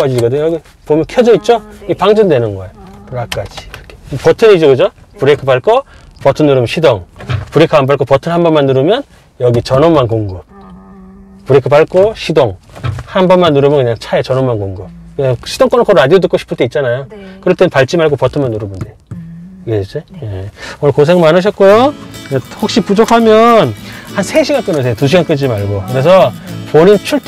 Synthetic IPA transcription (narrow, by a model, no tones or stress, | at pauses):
ad͡ʑiikʌdɯɲʌɡi | pomjʌnkʰjʌd͡ʑoit̚t͡ɕ͈oiɡepaŋd͡ʑʌndwe̞nɯnɡʌeɾak͈ad͡ʑi̥ɾkʰepʌtʰɯnid͡ʑoɡɯd͡ʑopuɾekʰɯpaɭk͈opʌtʰɯnːuɾɯmnɕʰidoŋpuɾekʰaanpaɭk͈opʌtʰɯnɦanbʌnmanːuɾɯmjʌn | jʌɡit͡ɕʌnomːankoŋɡɯp̚ | puɾekʰɯpaɭk͈oɕʰidoŋhanbʌnmanːuɾɯmjʌnkɯɲaŋt͡ɕʰaet͡ɕʌnomːankoŋɡɯp̚kɯɲaŋɕʰidoŋk͈ʌnʌk͈ʰʌɾɾadiot̬ɯk͈oɕʰi̥pʰɯɭt͈e̞it̚t͡ɕ͈anajokɯɾʌt͈ʰenpaɭt͡ɕ͈imaɭɡopʌtʰɯnmanːuɾɯbunde | iɡeet͡ɕejeonɯɭkosʰeŋmanɯɕ̬ʰʌt̚k͈ojkɯjahok̚ɕ͈ipud͡ʑokʰamjʌnhansʰe̞ɕʰiɡank͈ɯnɯs̬ʰeotuɕ̬ʰiɡank͈ɯd͡ʑimaɭɡokɯɾe̞s̬ʰʌpoɲint͡ɕʰuɭtʰ